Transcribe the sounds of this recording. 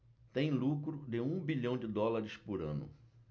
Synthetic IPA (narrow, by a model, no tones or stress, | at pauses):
t̪ẽj̃lukɾʊd̪ɪũbiʎɐ̃w̃d͡ʒɪd̪ɔlaɾɪspʊɾɐ̰̃nʊ̰